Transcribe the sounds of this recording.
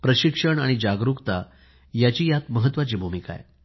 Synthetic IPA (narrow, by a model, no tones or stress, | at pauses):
pɾəɕikʂəɳaɽ̃id͡ʑaɡɾukt̪a | jat͡ɕiːjat̪məɦət̪ʋat͡ɕiːbʱumika̰j